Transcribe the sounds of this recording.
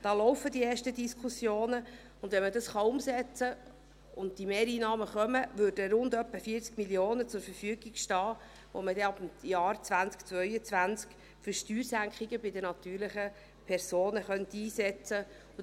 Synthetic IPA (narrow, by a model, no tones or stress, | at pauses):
d̥ɑːlɔwfədieːʃtədiskʰʊsjoːnə | ʊndʋɛnmədɑsχɑʊmsɛt͡sə | ʊnd̚d̥imeːɾiːnɑːməχœməʋøːɾdəɾʊndœpːəfiːəɾt͡skmiljoːnət͡sʊɾfəɾfyəɡiɡ̥ʃtɑː | ʋo̰mədɛɑb̥m̩jɑːrt͡svænskt͡svœʏət͡sʋænt͡sk | fʏɾʃtyːɾsæŋkχiɡəbɪdənɑt̪yːɾlɪχə | pʰɛɾsoːnəχœnt̪iːsɛt͡sə | ʊ